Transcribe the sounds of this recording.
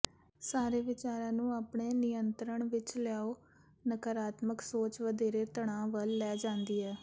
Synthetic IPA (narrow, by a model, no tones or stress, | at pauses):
saːɾeːʋɪt͡ʃaːɾãːnũːaːpɳeːnɪjənt̪ɾəɳʋɪt͡ʃlɪjaːoː | nəkəɾaːt̪məksoːt͡ʃʋəd̪eːɾeːt̪əɳ̃ãːʋəlːɛːd͡ʒãːnd̪iːɦɛː